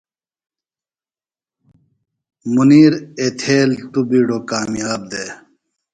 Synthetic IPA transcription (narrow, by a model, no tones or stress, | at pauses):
muniːɾet̪ʰeːlt̪ubiːɽoːkaːmijaːb̚d̪e